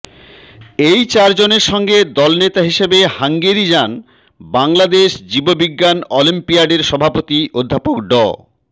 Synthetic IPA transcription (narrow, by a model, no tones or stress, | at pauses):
ejt͡ɕaɾd͡ʑoneɾʃɔŋɡed̪ɔlnet̪aɦiʃebehaŋɡeɾid͡ʑan | baŋlad̪eʃd͡ʑibobiɡːanɔlimpiaɖeɾʃɔbʱapot̪iʔod̪ʱːapokɖɔ̰